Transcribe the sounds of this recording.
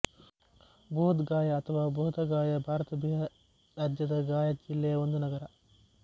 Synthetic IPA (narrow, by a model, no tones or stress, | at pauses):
bʱoːd̪ɡaːjɐːt̪ʰɐʋaːboːd̪ɐɡaːjɐbʱaːɾɐt̪ɐbʱijɐ | ɾaːd͡ʒjɐd̪ɐɡaːjɐd͡ʒilːɛjɐond̪unɐɡɐɾɐ